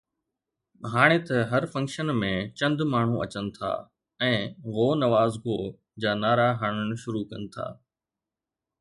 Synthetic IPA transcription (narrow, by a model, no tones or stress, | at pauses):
ɦaːɽ̃et̪ɐɦɐɾfɐ̃ŋkʃənmẽt͡ɕɐ̃nd̪maːɳ̤ũʔɐt͡ɕənɪ̆t̪ʰa̰ː | ɛ̃ːɣoːnɐʋaːzɡoː | d͡ʑaːnaːɾaɦaːɽ̃əɽ̃ɪ̆ʃʊɾukɐnɪ̆t̪ʰa̰ː